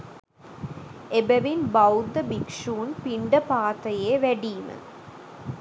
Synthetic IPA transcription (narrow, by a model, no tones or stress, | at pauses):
ebɐʋinbɐwd̪ɐbikʂuːnpiɳɖɐpaːt̪ɐjeːʋɐɽimɨ̰